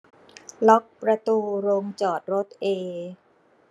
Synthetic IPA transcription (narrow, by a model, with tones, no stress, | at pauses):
lɔ˦˥k̚pɾa˧t̪uː˧ɾoː˧ŋt͡ɕɔː˨˩t̪̚ɾo˦˥t̪̚ʔeː˧